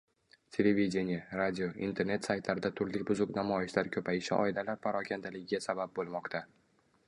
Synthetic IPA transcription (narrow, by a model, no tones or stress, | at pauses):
t̪ʲʰe̞le̞vid̪ʲenijaɾad̪ʲioʔḭnt̪ʰe̞ɾne̞t̪sajt̪ʰlaɾɪd̪at̪ʰʊɾlɪkʲbʊzʊqnamɒjɪʃlaɾkʲʰɵpʰajɪʃɪʔɒ̰ɪlalaɾpʰaɾɒkʲʰand̪alɪɡʲɪɡʲasabap̚bolˠmɒqt̪ʰa